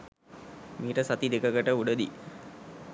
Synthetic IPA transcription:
miːʈəsat̪id̪ekəkəʈəuɖəd̪i

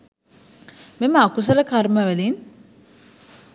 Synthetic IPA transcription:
meməakus̬ələkarməʋælin

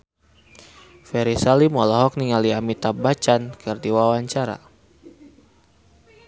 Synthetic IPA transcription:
fɛɾisalimɔlɔɦɔk̚niŋaliamit̪abat͡ʃankʰərdiwawaɲt͡ʃaɾa̰

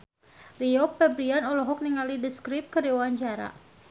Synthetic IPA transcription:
riɔkfɛbɾianɔlɔɦɔk̚niŋalidəskɾɪp̚kədiwaɲt͡ʃaɾa̰

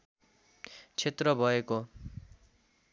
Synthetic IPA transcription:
t͡sʰet̪rʌbʱʌeko

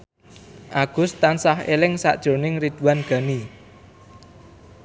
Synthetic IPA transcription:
ʔaɡ̥ʊ̤st̪ansahelɪŋsa̰ʔd̥ʒ̥o̤nɪŋrid̪̥ṳwanɡ̥a̤ni

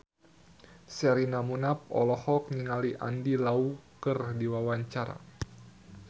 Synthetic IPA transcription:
sɛɾinamunap̚ɔ̰lɔhɔk̚niŋaliʔa̰ndilaukɨrdiwawaɲt͡ʃaɾa̰

